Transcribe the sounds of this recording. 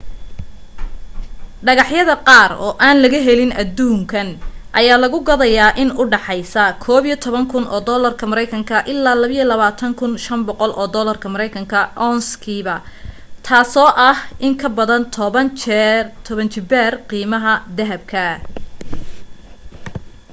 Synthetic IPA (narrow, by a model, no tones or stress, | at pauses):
ɖɐɣɑħjɐðɐqɑːrɔ̰ːʔaːnlɐɣɐɦɛlɪnɐd̪uːŋkʰɐnʔɐjaːlɐɣʊɡɐðɐjaːʔɪnʊɖɑħɑjsɐkʰɔːβijt̪ʰɔβɐŋkʰʊnʔɔ̰ːd̪ɔːlɐrkʰɐmɐɾɛjkʰɐŋkʰɐʔɪlːaːlɐβɐilɐβaːt̪ʰɐŋkʰʊnʃɐmbɔqɔlʔɔːd̪ɔːlɐrkʰɐmɐɾɛjkʰɐŋkʰɐʔɔnskʰiːβɐ | t̪ʰaːsɔːʔɐhʔɪŋkʰɐbɐðɐnt̪ʰɔβɐnt͡ʃt̪ʰɔβɐnt͡ʃʰɪbɛrqiːmɐɦɐd̪ɐɦɐb̚kʰɐ